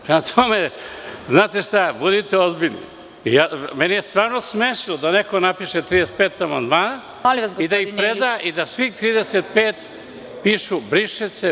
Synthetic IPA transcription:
pɾemat̪ʰomeznaːt̪eʃt̪abud̪it̪eozbiʎnḭ | ijamenijest̪ʋaːɾnosmeːʃnod̪anekonapiʃet̪ɾiːd̪eset̪̚peːt̪amand̪maːna | liaɡiid̪aipɾed̪aʔid̪asʋixt̪ɾiːd̪eset̪̚peːt̪ | piːʃubɾiʃese

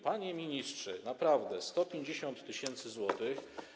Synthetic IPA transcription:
paɲemʲiɲistʂɛnapɾavd̪ɛst̪ɔpʲjeɲd͡ʑeɕɔnt̪ːɘɕɛnt̪sɘzwɔt̪ɘx

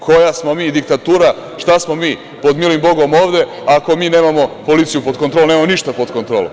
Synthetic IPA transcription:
kʰo̞jasmo̞miːd̪ik̚t̪at̪uːɾa | ʃt̪asmo̞miː | pod̪miluimbo̞ɡo̞mo̞ːʋd̪e̞ | ako̞miːne̞ːmamo̞po̞lit̪sijupod̪̚kot̪ɾolunemamoniʃt̪apo̞d̪kont̪ɾoːlo̰m

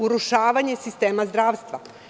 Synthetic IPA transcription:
uɾuʃaːʋaɲesist̪eːmazd̪ɾaːʋst̪ʋa

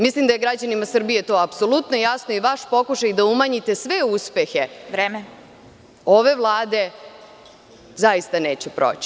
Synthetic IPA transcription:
mislimd̪ajeɡɾad͡ʑanimasr̩bije̞t̪o̞ːapsolut̪nojasnoiʋaʃpo̞kuʃajd̪aumaɲit̪e̞sʋeuspe̞xe̞ʋɾeːme | o̞ʋe̞ʋlˠaːd̪e̞ | zajist̪ane̞ːt͡ɕepɾo̰ːt͡ɕi̥

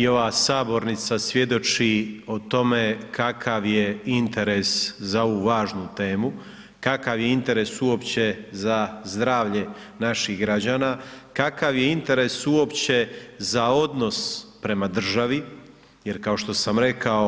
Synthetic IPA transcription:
io̞ʋaːsaːbo̞ɾnit̪sasʋje̞d̪o̞t͡ʃio̞t̪o̞mekʰakʰaʋjeint̪e̞ɾe̞szao̞ʋuʋaːʒnut̪e̞ːmu | kakaʋjeint̪e̞ɾe̞suo̞pt͡ɕe̞zazd̪ɾaːʋʎe̞ | naʃiɣɡɾad͡ʑaːnakakaʋje̞int̪e̞ɾe̞suo̞pt͡ɕe̞zao̞d̪no̞spɾe̞mad̪r̩ʒaʋi | je̞ɾkao̞ʃt̪o̞samɾe̞kao̞

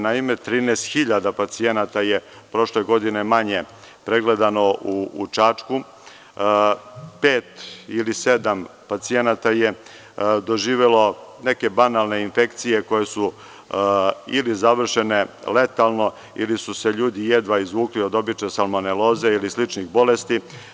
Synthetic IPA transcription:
naime̞t̪ɾiːneːst̪xiʎad̪apat̪sijenat̪aje | pɾo̞ʃle̞ɡo̞d̪ine̞maɲe̞ | pɾeɡled̪ano̞ṵːt͡ʃat͡ʂku | peːt̪ilise̞d̪ampat̪sijenat̪aje | d̪o̞ʒiːʋelo̞ne̞ke̞banalne̞infe̞kt̪sije̞ko̞je̞su | ilizaʋr̩ʃe̞ne̞le̞t̪alˠno̞ | ḭlisuse̞ʎuːd̪ijed̪ʋaizʋuːklio̞d̪o̞bit͡ʃesalˠmonelo̞ːzeilislit͡ʃnixbo̞le̞st̪i

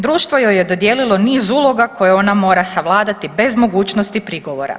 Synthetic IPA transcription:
d̪ɾuːʃt̪ʋo̞jojed̪od̪jeːlilˠo̞niːzulo̞ɡako̞jeo̞namo̞ːɾasaʋlˠaːd̪at̪ibe̞zmo̞ɡuːt͡ʃno̞st̪ipɾiɡo̞ʋoɾa̰

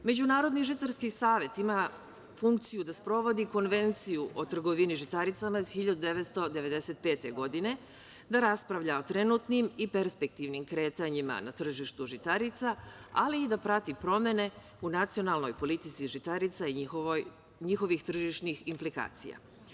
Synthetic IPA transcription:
me̞d͡ʑunaːɾo̞d̪niʒit̪aɾskisaːʋe̞t̪ima | fuŋk̚t̪sijud̪aspɾo̞ʋo̞d̪iko̞nʋe̞nt̪sijuʔo̞t̪r̩ɡo̞ʋiniʒit̪aɾit̪samaizxiʎad̪ud̪e̞ʋet̪st̪o̞d̪eʋe̞d̪e̞se̞t̪̚pe̞ːt̪e̞ɡo̞d̪ine̞ | d̪aɾaspɾaʋʎao̞t̪ɾe̞nuːt̪nimipe̞ɾspe̞k̚t̪iʋnimkɾe̞ːt̪aɲima̰nat̪r̩ʒiʃt̪uʒit̪aɾit̪saaliːd̪apɾat̪ipɾo̞me̞ne̞ | unat̪sio̞nalˠno̞jpo̞lit̪it̪siʒit̪aɾit̪saioj | ɲixo̞ʋixt̪r̩ʒiʃniximplika̰ːt̪sḭja̰

